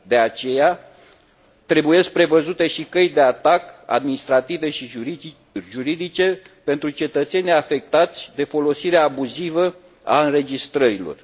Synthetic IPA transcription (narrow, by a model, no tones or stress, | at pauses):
d̪e̞at͡ʃe̞ja | t̪ɾe̞buje̞sk̚pɾe̞vəzut̪e̞ʃikəjd̪e̞at̪aka̰d̪minist̪ɾat̪ive̞ʃi | ʒuɾid̪it͡ʃe̞ | pe̞nt̪ɾut͡ʃe̞t̪ət̪se̞nʲijafe̞k̚t̪at̪sʲd̪e̞fo̞lo̞siɾeaːbuzivə | a̰ɨnɾe̞d͡ʒist̪ɾəɾilo̞̰r